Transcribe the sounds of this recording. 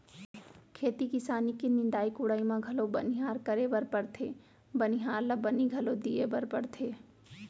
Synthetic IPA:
kʰeːt̪ikɪsaːnikinɪ̃nd̪aːikʊɽaːimãɡʱɐlobɐnɪɦaːɾkɐɾebəɾpəɽt̪ʰeː | bəniɦaːɾlɐbɐniɡʱɐlod̪iebəɾpəɽt̪ʰeː

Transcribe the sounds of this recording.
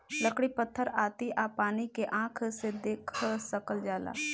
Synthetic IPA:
ləkɽipət̪ʰːəɾaːt̪iʔaːpaːnikeʔãːkʰsed̪eːkʰsəkəld͡ʒaːla̰ː

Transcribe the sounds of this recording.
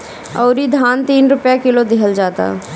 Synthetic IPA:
ɔːɾid̪ʱaːnt̪iːnɾʊpjakɪlod̪ɪɦəld͡ʒaːt̪a̰

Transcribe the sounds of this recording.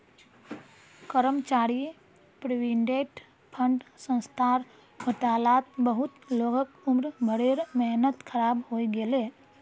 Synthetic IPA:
kəɾəmt͡ʃaːɾi | pɾiʋiɳɖeːʈ | pʰə̃ɳɖsə̃nst̪ʰaːɾ | hoʈaːlaːt̪̚bəɦʊt̪loɡəkʊmɾbʱəɽeɾmɛɦnət̪kʰəɾaːbɦoːiɡele

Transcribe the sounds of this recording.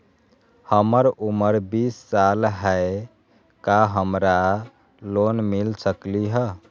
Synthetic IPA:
həməɾuməɾbisːalɦɛe | kaɦəmɾa | lonmilsəkliɦə

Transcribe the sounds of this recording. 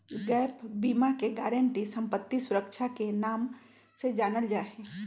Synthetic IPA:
ɡɛːpbiːmakeɡɛːɾə̃ɳʈisɐ̃mpət̪ːisʊɾəkʃʰakenaːm | sed͡ʒaːnəld͡ʒaːɦeː

